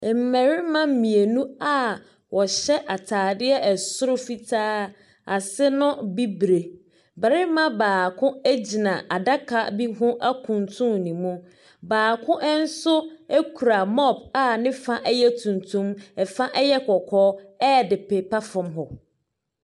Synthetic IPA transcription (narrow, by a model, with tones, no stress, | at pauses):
m̩˨mɛ˨ɾɪ˦mã˦m̩˦mĩ˨e˨nũ˦a˦ | wɔ˨ɕɛ˦ʔa˨tʰaː˨dɪ˦ɛ˦ʔɛ˨sʊ˦ɾʊ˦fi˦tʰaː˦ | a˨sɪ˦nʊ̃˦bi˦bɾe˨ | bɛ˨ɾɪ˦mã˦baː˨kʰʊ̃˦e˦d͡ʑi˨nã˨ʔa˨da˦kʰa˨bi˦ɦʊ̃˦ʔa˦kʰũ˨ntʰũ˦mnĩ˨mũ˦ | baː˨kʰʊ̃˦ʔn̩˦sʊ˦e˦kʰu˨ɾa˨mɔ˦ba˦nɪ̃˦fa˦ʔɛ˦jɛ˦tʰũ˨ntʰũ˦mɛ˨fã˦ʔɛ˦jɛ˦kʰɔ˨kʰɔː˦ɛ˦˨dɪ˨pɛ˨pa˦fɔ̃˨mɦɔ˨